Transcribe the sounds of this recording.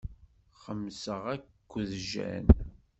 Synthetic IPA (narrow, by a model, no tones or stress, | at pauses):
χəmːsəʁækːðʒæ̰n